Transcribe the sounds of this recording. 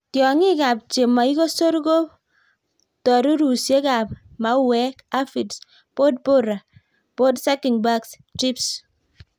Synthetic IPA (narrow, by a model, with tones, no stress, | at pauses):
tjɔ˨ŋɪ˦ka˨p̚t͡ʃe˨ma˨i˦ko˦so˦ɾɡo˦p̚ | tɔ˨ɾu˦ɾu˨sje˦ka˨p̚ | ma˨˦wɛ˦ka˦fi˨ts | po˦d̚po˦ɾa˨ | po˦dsa˦kɪ˨ŋba˦ks | tɾi˦ps